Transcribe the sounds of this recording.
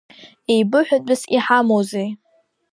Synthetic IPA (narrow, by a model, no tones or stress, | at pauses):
ejbɨħʷᶣabʷʼɨsiħamowzej